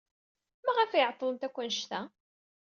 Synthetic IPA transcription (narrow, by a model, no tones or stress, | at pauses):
mæʁæfjʕt̪ˤːəlˤənt̪ækʷːənʃt̪æ